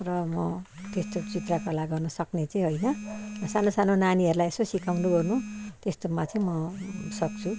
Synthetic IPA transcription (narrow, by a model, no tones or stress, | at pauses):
rʌmʌ | t̪est̪ot͡sit̪rakʌlaɡʌrnʌsʌknet͡sʌĩɦʌjnʌʌsanosanonaniɦʌɾulajesosikʰawnuɡʌrnut̪est̪omat̪ʰiĩmʌsʌk̚t͡sʰu